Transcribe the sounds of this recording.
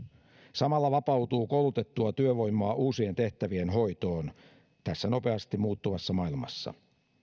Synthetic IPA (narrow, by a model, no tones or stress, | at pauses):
sɑmɑlːɑʋɑpɑwt̪uːkolut̪e̞t̪ːuɑt̪yøʋo̞jmːˑoːʔuːsie̞nt̪e̞ht̪æʋienɦo̞jt̪o̞ːn | t̪æsːæno̞pe̞ɑst̪imuːt̪ːuʋɑsːɑmɑilmɑ̰sːɑ̰